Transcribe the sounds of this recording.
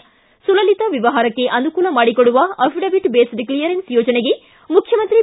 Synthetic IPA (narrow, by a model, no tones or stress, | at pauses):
sulɐlit̪ɐʋiʋɐɦaːɾɐkːe̞ʔɐnukuːlɐmaːɽikoɽuʋɐɐʋiɖɐbiʈbeːsɖiklijɐɾensjoːd͡ʒɐneɡe̞ | mukʰjɐmɐnt̪ɾi